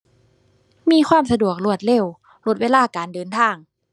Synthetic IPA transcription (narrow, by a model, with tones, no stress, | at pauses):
miː˧˥˨xʰwaː˧˥˩msa˧du˨˩ək̚lu˧˩ət̪̚le˧˥˩w | lo˧˥t̪̚weː˧laː˥˩˨kaː˨˩ndɤː˨˩nt̪ʰaː˧˥˩ŋ